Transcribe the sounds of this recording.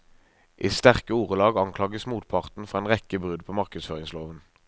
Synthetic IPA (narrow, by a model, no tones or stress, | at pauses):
ʔiːst̪æʁkəuːʁəlɑːɡɑŋkʰlɑːɡəsmuːt̪̚pʰɑʁt̪n̩fɔʁeːnʁɛkəbʁʉd̪pʰoːmɑʁkəd̪sføːʁɪŋsloːʋən